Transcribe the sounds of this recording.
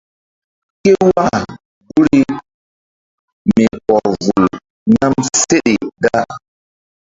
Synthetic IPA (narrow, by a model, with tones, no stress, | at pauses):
ke˦wa˦˨ | ɡu˦ɾi˦ | mi˨ɔ˨ɾvu˨l | na˦mse˦ɗi˨da˦